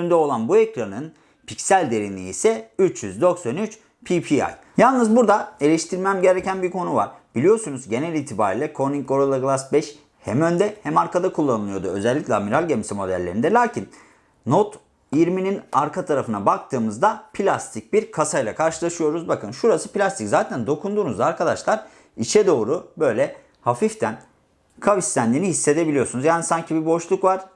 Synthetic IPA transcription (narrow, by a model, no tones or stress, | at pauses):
ynd̪ɛo̞lˠanbuecɾanɯn | pʰicsælʲd̪e̞ɾinḭːsɛyt͡ʃjyzd̪o̞ksanyt͡ʃ | pʰipʰia̰j | jalˠnɯzbuɾd̪ae̞lʲɛʃt̪ʰiɾmæmɟe̞ɾecænbiɾkʰo̞nuva̰ɾb̥ilʲijo̞sunuzɟe̞nælʲiːt̪ʰiba̰ːɾilʲˠɛkʰo̞niŋko̞ɾolˠaɡlˠasbɛʃ | hɛmø̞nd̪ɛhɛmaɾkʰad̪akʰulˠːanɯlˠɯjo̞d̪uø̞̰zɛlʲːicʲlʲamiɾalʲɟemisimo̞d̪æ̰lʲːe̞ɾind̪ɛlʲaːcʰin | not̪ | iɾmininaɾkʰat̪ʰaɾafɯnabak̚t̪ʰɯːmɯzd̪apʰilʲast̪ʰic̚biɾkʰasajlˠakʰaɾʃɯlˠaʃɯjo̞ɾuzbakʰɯnʃuɾasɯpilʲast̪ʰiczaːt̪ʰænd̪o̞kʰund̪uːnuzd̪aːɾkʰad̪aʃlˠaɾ | iʃɛd̪o̞ːɾubø̞jlʲɛ | hafift̪ʰæn | kʰavist̪ænd̪iːnihisːe̞d̪e̞bilʲijo̞sunuzjaːnisaɲcʰibibo̞ʃlˠukvaɾ̥